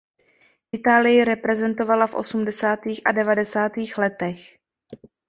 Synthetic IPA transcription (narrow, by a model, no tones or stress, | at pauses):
ʔɪt̪aːlɪjɪɾɛpɾɛzɛnt̪o̞valafʔo̞̰sumdɛsaːt̪iːxʔa̰dɛvadɛsaːt̪iːxlɛt̪ɛx